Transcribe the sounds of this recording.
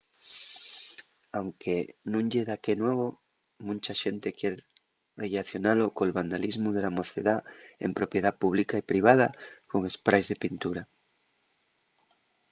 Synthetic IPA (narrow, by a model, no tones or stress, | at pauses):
awŋkenũŋʎeðakenwɔβ̞o | mũnt͡ʃaʃent̪ekjeɾ | relaθjonalokolβand̪alizmʊðelamoθeðaḛmpɾopjeðapuβ̞likaepɾiβ̞að̞akoŋespɾajzðepint̪uɾa